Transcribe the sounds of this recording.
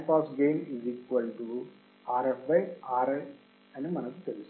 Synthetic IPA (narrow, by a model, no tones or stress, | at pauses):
paːsɡejnizikʋɐlʈu | aːɾɐfbɐjaːɾɐ | ɐnimɐnɐkut̪elust̪